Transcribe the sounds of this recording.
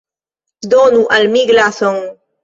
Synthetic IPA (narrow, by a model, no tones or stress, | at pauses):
sd̪onuʔalmiɡlaθɔŋ